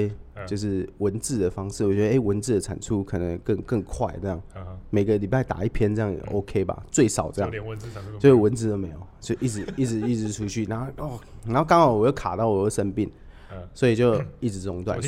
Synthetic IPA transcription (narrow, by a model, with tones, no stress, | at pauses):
t͡ɕjo˥˧ʊʂ̬ɻ̩˥˩wə˧˦nt͡sɹ̩˥˩d̪ə˩fɑ˥ŋʂɻ̩˥˨˩wɔ˨˩t͡ɕɥɛ˧˥də˧ʔe˥ɪwə˧˦nt͡sɹ̩˥˩d̪ə˩t͡sʰa̰˨˩nt͡sʰu˦˥kʰɤ˨˩nə˧˦ŋkə˥˧ŋkə˥˧ŋkʰwa̰˥˩ɪɤ˥˧jɑ̰˥˩ŋme˨˩ɪɡə˦li˨˩pa˥˩ɪt̪a̰˨˩i˥˩pʰjɛ˥nt͡sɤ˥˧jɑ˥˩ŋ̰˨ʔo˦ʊkʰe˥ɪba̰˨t͡swe˥˩ɪʂɑ˨˩ʊʈ͡ʂɤ˥˧jɑ̰˥˨o˥˧ʊʂə˥˩wə˧˦nt͡sɹ̩˥˩d̪o˥ʊme˧˥ɪjo˨˩ʊt͡ɕjo˥˧˩ʔi˥˩ɻ̩˧˦i˥˩ɻ̩˧˦i˥˩t͡sɻ̩˧˥ʈ͡ʂʰu˦t͡ɕʰy˥˩na˧˦˥ɔ˥˩na˨˧˥o˥˩kɑ˥ŋhɑ˨˩ʊwɔ˨˩jo˥˩kʰa˨˩t̪ɑ˥˩ʊwɔ˨˩jo˥˩ʂə˥npi˥˩n | swɔ˧˥i˨˩t͡ɕjo˥˧ʊi˥˩ʈ͡ʂɻ̩˧˥t͡sʊ˧˥ŋt̪wa̰˥˨n